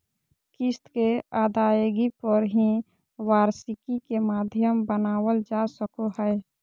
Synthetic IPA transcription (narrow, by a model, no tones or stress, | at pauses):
kɪst̪keaːd̪ajɡipəɾɦĩ | waːɾsɪkikemaːd̪ʱjəmbənaːwəld͡ʒasəkoɦəɪ